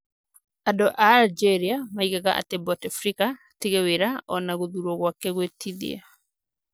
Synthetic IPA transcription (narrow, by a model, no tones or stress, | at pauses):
adɔʔald͡ʒɛɾiamaiɣaɣaʔa̰tɛbɔtafɾika | teɣeweɾaɔnaɣoðuɾɔɣwakɛɣwetʰiðḭa̰